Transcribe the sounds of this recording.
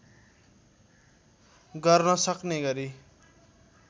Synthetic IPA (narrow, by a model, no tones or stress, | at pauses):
ɡʌrnʌsʌkneɡʌɾi